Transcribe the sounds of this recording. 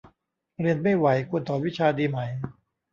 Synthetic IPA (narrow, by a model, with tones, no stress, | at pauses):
ɾi˧ənma˥˩jwa˩˦jkʰu˧ənt̪ʰɔː˨˩˦wi˦˥t͡ɕʰaː˧diː˧ma˩˦j